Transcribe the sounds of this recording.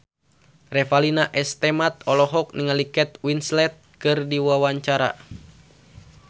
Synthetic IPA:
rɛfalinaʔɛst̪ɛmat̪̚ɔlɔɦɔk̚niŋalikɛt̪̚winslɛt̪̚kɨrdiwawaɲt͡ʃaɾa̰

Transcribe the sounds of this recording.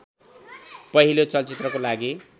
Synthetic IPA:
pʌɦilot͡sʌlt͡sit̪rʌkolaɡi

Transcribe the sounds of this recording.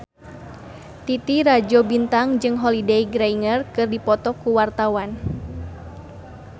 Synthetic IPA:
t̪it̪iɾad͡ʒɔbint̪aŋd͡ʒɨŋɦɔlidejɡɾaiŋərkɨrdipɔt̪ɔkuwart̪awan

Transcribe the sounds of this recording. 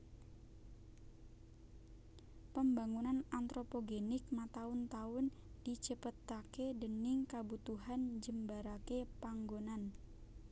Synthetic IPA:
pəmbaŋunanant̪ɾopoɡenɪk̚mat̪aʊnt̪aʊnd̥it͡ʃəpət̪akedənɪŋkabut̪uɦand͡ʒəmbaɾakepaŋɡonan

